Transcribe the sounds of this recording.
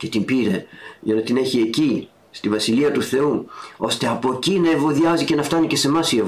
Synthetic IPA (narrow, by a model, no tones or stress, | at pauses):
cet̪imbiɾe̞ʝɐnɐt̪ine̞çie̞ci | st̪ivɐsiliɐt̪uθe̞uo̞st̪e̞ɐpo̞cinɐe̞vo̞ðiɐzice̞nɐft̪ɐnice̞se̞mɐsie